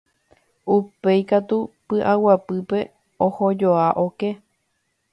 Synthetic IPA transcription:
upe̞jkat̪upɨʔawapɨpe̞ | ohod͡ʒoaʔoke

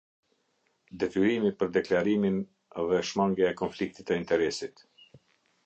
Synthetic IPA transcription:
d̪ɛt̪yɾimipəɾd̪ɛklaɾimin | ɛðɛʃmaŋɡjaɛkɔnflik̚t̪it̪əint̪ɛɾɛsit̪

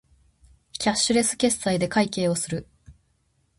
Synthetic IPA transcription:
kʲaɕɨɾe̞sɨ̥kʲe̞sːaid̪e̞kaike̞ːo̞sɨɾɯ̟

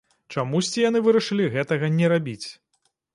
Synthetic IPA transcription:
t͡ʂamusʲt͡sʲijan̪ɨvɨɾɐʂɨlʲiɣɛt̪ɐɣɐnʲɛɾabʲit͡sʲ

